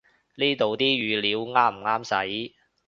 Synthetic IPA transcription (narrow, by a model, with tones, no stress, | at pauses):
niː˥t̪o˨wt̪iː˥jyː˨˧liː˨˥wŋaː˥m̩˨˩ŋaː˥msɐ˨˥j